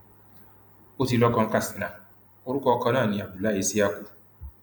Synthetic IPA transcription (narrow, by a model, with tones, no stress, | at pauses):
o˦ti˨lɔ˦kɔ˦ŋ̩˦ka˦˨si˨na˨ | ʊ˦ɾʊ˦kɔ˦kɔ˦na˦˨nɪ˨a˨bi˨la˦i˦si˦a˦kʷu˦